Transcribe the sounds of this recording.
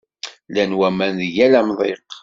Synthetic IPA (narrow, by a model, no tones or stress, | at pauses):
lænwæmænðəjælæmðˤeq